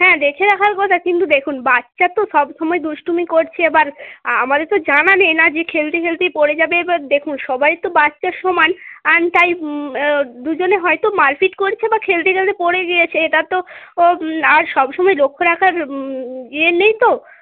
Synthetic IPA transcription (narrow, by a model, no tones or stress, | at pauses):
ɦɛ̃d̪ekʰeɾakʰaɾkɔt̪ʰakint̪ud̪ekʰunbatːʃat̪oʃɔbʃɔmɔed̪uʃʈumikoɾt͡ɕʰeebaɾamad̪eɾt̪od͡ʑananenad͡ʑekʰelt̪ekʰelt̪epoɽed͡ʑabed̪ekʰunʃɔbajɾt̪obatːʃaɾʃɔmanant̪aj | d̪ud͡ʑoneɦɔet̪omaɾfiʈkoɾt͡ɕʰebakʰelt̪ekʰelt̪epoɽeɡijet͡ɕʰeeʈat̪o | aɾʃɔbʃɔmɔelokʰːoɾakʰaɾɡienejt̪o